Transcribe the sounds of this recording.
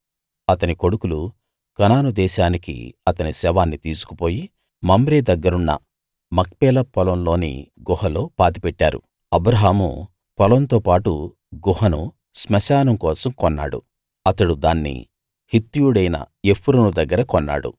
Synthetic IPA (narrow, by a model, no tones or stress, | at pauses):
ɐt̪ɐniko̞ɽukulu | kɐnaːnud̪ɛːʃaːnikḭɐt̪ɐnisɛːʋaːnːit̪iːsu̥ku̥po̞ːji | mɐmbɾeːd̪ɐɡːɐɾunːɐ̰ | mɐkpɛːlɐpɔlɐmlo̞ːnḭɡɔhɐlo̞ːpaːt̪ipɛʈːa̰ːɾṵ | ɐbɾɐɦaːmṵ | pɐlɐnt̪oːpaːʈu | ɡɔɦɐnu | smɐsaːnɐmkɔːsɐmkɔnːa̰ːɽṵ | ɐt̪ɐɽud̪aːnːḭ | hit̪ːujuɽɐjnɐ̰ | epʰːuɾɐnud̪ɐɡːɐɾɐkɔnːa̰ːɽṵ